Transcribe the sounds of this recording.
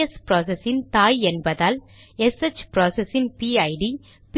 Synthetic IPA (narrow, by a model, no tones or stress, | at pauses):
espɾoːs̬ɛsɪnt̪aːjɛnbɐðaːl | ɛset͡ʃːpɾoːsesɪnpiɐɪɖi | p